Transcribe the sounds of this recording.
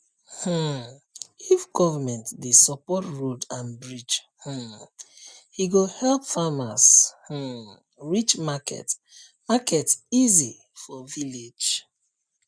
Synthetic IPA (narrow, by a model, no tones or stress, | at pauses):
h̩ | ifɡɔvamɛ̃ntdesɔpɔtɹodãnbɹid͡ʒ | h̩ | hiɡohɛlpfamash̩ | ɹit͡ʃmakɛ̰t | makɛtsizi | fɔviled͡ʒ